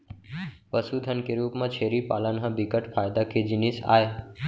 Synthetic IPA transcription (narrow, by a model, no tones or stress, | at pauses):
pəsud̪ʱənkeɾuːpmãt͡ʃʰeːɾipaːlənɦə̃bɪkəʈfaːɪd̪akʰed͡ʑɪnisa̰ːeː